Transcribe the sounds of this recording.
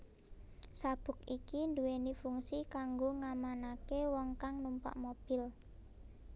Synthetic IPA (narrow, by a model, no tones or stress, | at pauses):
sab̥ʊ̤k̚ikind̪uwenifuŋsikaŋɡoŋamanakewɔŋkaŋnumpa̰ʔmob̥ɪ̤l